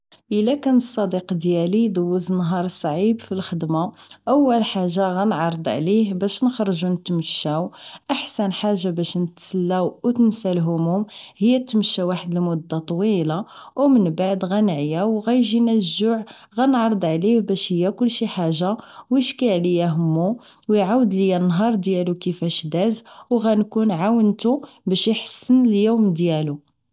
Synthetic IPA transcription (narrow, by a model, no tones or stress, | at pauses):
ʔəlːækænəsˤːɑd̪iqd̪jælid̪ʊwːəznɦɑɾˤsˤʕibfilxəd̪maʔæwːəlħaʒːaɣænʕɑɾˤəd̪ˤʕlihbæʃnəxɾˤʒunət̪məʃːæwʔaħsænħaʒːabæʃnət̪səlːæwwt̪ənsælɦʊmʊmhəjːæt̪məʃːæwaħəd̪əlmʊd̪ːat̪ˤwilawmənbaʕd̪ɣænʕjæwɣæjʒinæʒːʊʕ | ɣænʕɾˤəd̪ˤʕlihbæʃhəjːækʊlːʃiħaʒːawjəʃkiʕlijæɦəmːuwjʕawəd̪ləjænːɦɑɾˤd̪jælukəfæʃd̪æzwɣænkunʕawənt̪u | bæʃjəħə̥sːənəljumd̪jælu